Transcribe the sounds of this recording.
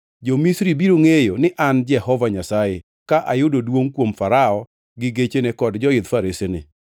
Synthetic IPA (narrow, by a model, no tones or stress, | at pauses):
d͡ʒomisɾibiɾoŋejonɪʔand͡ʒɛhɔvaɲasaje | kaʔajʊdodwoŋkwomfaɾaɔ | ɡɪɡet͡ʃenekɔdd͡ʒɔɪd̪faɾesenɪ̰